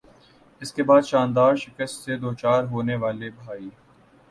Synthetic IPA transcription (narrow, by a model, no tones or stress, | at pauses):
ɪskebaːd̪ʃãːnd̪aːɾʃɪkəst̪sed̪oːt͡ʃaːɾɦoːneʋaːlebʱaːiː